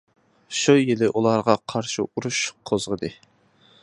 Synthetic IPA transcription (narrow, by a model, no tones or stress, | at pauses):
ʃujelɪʔulˠɑɾʁɑqʰɑɾʃiuɾuʃqʰozʁəd̪ɨ